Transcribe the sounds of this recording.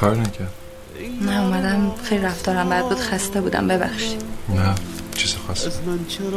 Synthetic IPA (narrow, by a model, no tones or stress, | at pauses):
ɒːɾnæcʰæɾd̪ | næomæd̪æmxejliɾæft̪ʰɒːɾæmbæd̪̚buːd̪xæst̪ebuːd̪æ̰mbe̞bæ̰xʃi̥næt͡ʃʰizixɒst̪